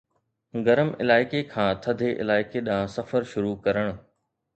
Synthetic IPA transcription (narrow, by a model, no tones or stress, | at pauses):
ɡɐɾəmɪ̰laːɪkekʰãːt̪ʰɐd̪ʱeʔɪ̰laːɪkeɗãsɐfəɾʃʊɾukɐɾəɽ̃ʊ̆